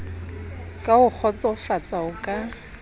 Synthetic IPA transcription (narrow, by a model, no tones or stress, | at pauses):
kʼaʊk͡xʰɔt͡sʼɔʊfat͡sʼaʊkʼa